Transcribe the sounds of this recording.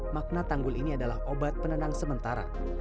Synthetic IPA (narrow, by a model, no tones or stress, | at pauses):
mak̚nat̪aŋɡʊliniadalahobat̪̚pənənaŋsəmənt̪aɾa̰